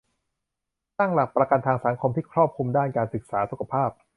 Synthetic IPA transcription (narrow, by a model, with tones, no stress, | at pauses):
t̪a˥˩ŋla˨˩pːɾa˧ka˧nt̪ʰaː˧ŋsaː˩˦ŋkʰo˧mt̪ʰiː˥˩kʰɾɔː˥˩p̚kʰu˧mdaː˥˩nkaː˧nsɯ˨˩k̚saː˩˦su˨˩kʰa˧pʰaː˥˩p̚